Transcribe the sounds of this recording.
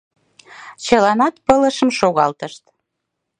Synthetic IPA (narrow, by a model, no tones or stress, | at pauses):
t͡ɕəlɑnɑt̪pələʃəmʃoɣɑlt̪əʃt̪